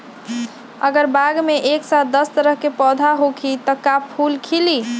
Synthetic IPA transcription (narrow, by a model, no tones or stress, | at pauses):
əɡəɾbaɡmeʔeksat̪̚ʰd̪əst̪əɾəɦkepɔd̪ʱaɦokʰit̪ɔkapʰulkʰili